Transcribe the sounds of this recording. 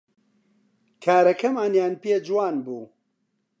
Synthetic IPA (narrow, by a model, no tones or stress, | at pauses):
kʰaːɾɐkɐmaːnjaːnpeːd͡ʒwaːnbuː